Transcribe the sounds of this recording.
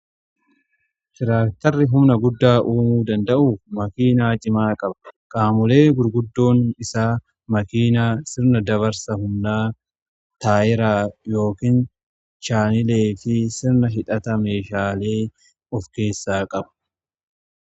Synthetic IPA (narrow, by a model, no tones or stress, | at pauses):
hɪɾaːk̚t̪ɐrːɪɦʊmnɐɡʊd̪ːaːʔuːmuːd̪ɐnd̪ɐʔuːfmɐkiːnaːt͡ʃʼɪmaːkʼɐbɐ̥kʼaːmʊle̞ːɡʊɾɡʊd̪ːo̞ːnɪsaː | mɐkiːnaːsɪɾnɐd̪ɐβɐɾsɐɦʊmnaː | t̪aːʔɪɾaːjo̞ːkin | t͡ʃaːnɪle̞ːfɪsɪɾnɐɦɪᶑɐt̪ɐme̞ːʃaːle̞ː | ɔfke̞ːsːaːkʼɐbɐ̥